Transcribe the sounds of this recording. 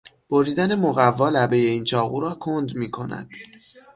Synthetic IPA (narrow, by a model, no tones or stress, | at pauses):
b̥oɾiːd̪æne̞moɣævːɒːlæbe̞je̞iːnt͡ʃʰɒːɣuːɾɒːkʰond̪miːkʰo̞næ̰d̪̥